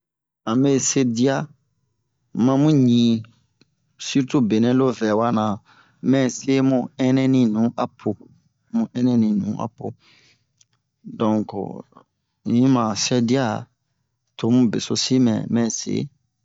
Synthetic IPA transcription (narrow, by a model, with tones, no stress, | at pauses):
ã˨me˦˨se˦di˦a˦ | mã˧˦mũ˦ɲĩ˨ | si˦ɾtu˦be˨nɛ̃˦lo˦vɛ˨wa˦nã˨ | mɛ̃˦˨se˦mũ˦ɛ˦nɛ̃˦nĩ˨nũ˨˦ʔa˨pʰo˧ | mũ˨˦ʔɛ˦nɛ̃˦nĩ˨nṵ̃˨˦ʔa̰˨po˨ | dɔ̃˨ŋko̰˨ | ɲĩ˦mã˨sɛ˦di˦a˦ | tʰo˨˦mũ˦be˨so˧si˦mɛ̰̃˨mɛ̃˨sḛ˨˦